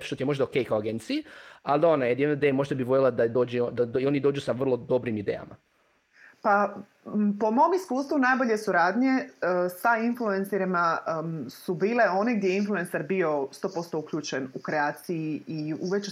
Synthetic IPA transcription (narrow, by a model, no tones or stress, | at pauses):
ʃt̪ot̪ijeo̞ʒd̪aokejkaoaɡent̪sijiald̪aonajed̪jenoid̪ejemo̞ʒd̪abiʋoʎelˠad̪ad̪oːd͡ʑed̪aionid̪oːd͡ʒusaʋr̩lˠo̞d̪o̞bɾimid̪ḛja̰ma̰ | pa | po̞mo̞miskuːst̪ʋunaːjbo̞ʎe̞suɾaːd̪ɲe̞sainfluenseɾima | subiːle̞o̞neɡdjeinflue̞nseɾbio̞st̪o̞ːpo̞st̪o̞ukʎuːt͡ʃenukɾe̞aːt̪sijiiuʋet͡ʃ